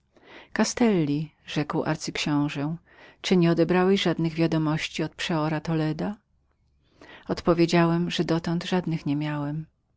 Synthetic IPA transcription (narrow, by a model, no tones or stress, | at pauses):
kast̪ɛlːʲi | ʐɛkwa̰ɾt̪sɘkɕɔ̃w̃ʐɛ | t͡ʂɘɲɛɔd̪ɛbɾawɛɕʐad̪nɘɣvʲjad̪ɔmɔɕt͡ɕiɔt̪̚pʂɛɔɾat̪ɔlɛd̪a | ɔt̪pɔvʲjed͡ʑawɛmʐɛd̪ɔt̪ɔnd̪ʐad̪nɘxɲɛmʲjawɛm